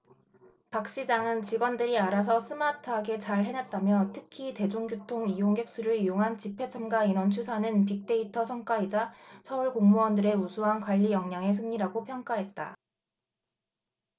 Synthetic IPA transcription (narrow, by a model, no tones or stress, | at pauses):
pak̚ɕ͈id͡ʑaŋɯnt͡ɕiɡwʌndɯɾiaɾas̬ʰʌsʰɯmatʰɯɦaɡe̞t͡ɕaɭɦe̞nat̚t͈amjʌtʰɯkʰite̞d͡ʑoŋɡjotʰoŋijoŋɡe̞k̚s͈uɾɯɭijoŋɦant͡ɕipʰe̞t͡ɕʰamɡainʌnt͡ɕʰusʰanɯnpik̚t͈e̞itʰʌsʰʌŋk͈aid͡ʑasʰʌuɭkoŋmuʌndɯɾe̞usʰuɦankwaʎːijʌŋɲaŋe̞s̬ʰɯŋɲiɾaɡopʰjʌŋk͈aɦe̞t̚t͈a̰